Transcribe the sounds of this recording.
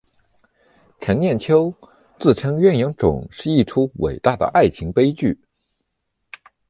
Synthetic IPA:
ʈ͡ʂʰə˧˥nnjɛ˥˩nt͡ɕʰjo˥ʊ | t͡sɹ̩˥˩ʈ͡ʂʰɤ˥ŋɥɛ˥˩njɑ˧˥ŋʈ͡ʂʊ̰˨˩˦ŋʂɻ̩˥˧i˥˩ʈ͡ʂʰu˥wḛ˨˩ɪt̪a˥˩d̪ə̰˩ʔa˥˩ɪt͡ɕʰi˧˥ŋpe˥ɪt͡ɕy˥˩

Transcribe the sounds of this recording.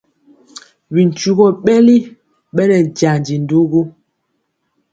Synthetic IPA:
bi˨n˨t͡ʃu˦ɣɔ˦˨ɓɛ˦li˦ | ɓɛ˦nɛ˨n˨d͡ʒa˨nd͡ʒi˨n̩˦du˦ɡu˦

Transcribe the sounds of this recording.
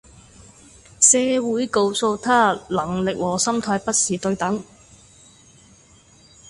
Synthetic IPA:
sɛː˧wuː˨˥jko˧wso˧wt̪ʰaː˥lɐ˨˩ŋlɪ˨k̚wɔː˨˩sɐ˥mt̪ʰaː˧jpɐ˥t̚siː˨t̪ɵ˧ɥt̪ɐ˨˥ŋ

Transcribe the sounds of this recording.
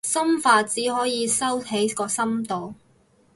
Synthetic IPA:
sɐ˥mfaː˧t͡siː˨˥ɦɔː˨˥jiː˨˧sɐ˥wt̪ʰe˨˥jkɔː˧sɐ˥mt̪o˨w

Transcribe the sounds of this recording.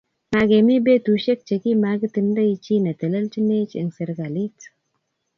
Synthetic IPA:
ma˨ɡe˨mi˦be˦tu˨ʃe˦k̚t͡ʃe˨ki˦ma˧ɡə˦t̪i˧˨ndə˦i˧t͡ʃi˦na˨t̪ə˨lə˦lt͡ʃi˦ne˦t͡ʃḛ˨ŋse˨ɾɡa˨li˦t

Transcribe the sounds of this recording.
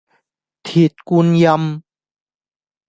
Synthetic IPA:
t̪ʰi˨˩t̪̚ku˧nja˧m

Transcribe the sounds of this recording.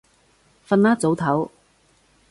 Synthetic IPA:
fɐ˧nlaː˥t͡so˨˥wt̪ʰɐ˨˥w

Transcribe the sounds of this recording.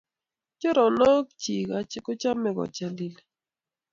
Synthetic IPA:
t͡ʃʊ˦ɾɔ˨nɔ˦kt͡ʃi˨ka˨t͡ʃɪ˦kʊ˦t͡ʃa˦mɛ˨ɡɔ̰˨t͡ʃa˨di˨l

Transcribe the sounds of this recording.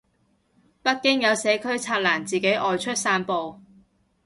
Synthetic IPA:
pɐ˥t̚kɪ˥ŋjɐ˨˧wsɛː˨˥kʰɵ˥ɥt͡sʰaː˧t̚laː˨˩nt͡siː˨ke˨˥jʔɔː˨˧jt͡ʃʰɵ˥t̚saː˧˥npo˨˧w

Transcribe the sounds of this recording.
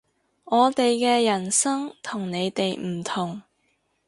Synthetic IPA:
ɔː˨˧t̪e˨jkɛː˧jɐ˨˩nsɐ˥ŋt̪ʰʊ˨˩ŋne˨˧jt̪e˨jm̩˨˩t̪ʰʊ˨˩ŋ

